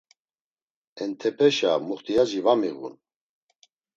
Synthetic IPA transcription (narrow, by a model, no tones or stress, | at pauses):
ɛnt̪ʰɛpʰɛʃamuχt̪ʰʼijazivamiɣṵn